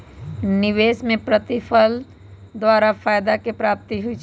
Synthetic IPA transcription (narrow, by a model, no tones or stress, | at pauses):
nɪʋeːsmẽpɾət̪ɪfʰəl | d̪waːɾafaːjd̪akepɾaːp̚t̪iɦʊit͡ʃ